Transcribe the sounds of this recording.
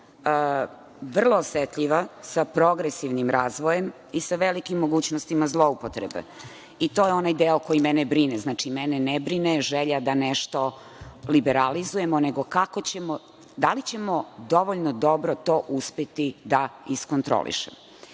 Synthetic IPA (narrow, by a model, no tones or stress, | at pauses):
ə | ʋr̩lˠoːsʋet̪ʎiʋasapɾo̞ɡɾesiʋnimɾaːzʋojem | isaʋelikimːoɡuːt͡ɕnost̪imazlˠo̞upot̪ɾḛbḛ | it̪ojeo̞najd̪eokojimɛnebɾineznaːt͡ʂimɛnenebɾineʒeʎad̪aneʃt̪o̞ | libeɾalizuje̞moneɡo̞kakot͡ɕemo | d̪alit͡ɕe̞mod̪o̞ʋoʎnod̪obɾot̪o̞ːʔuspet̪id̪aiskont̪ɾo̰lḭʃem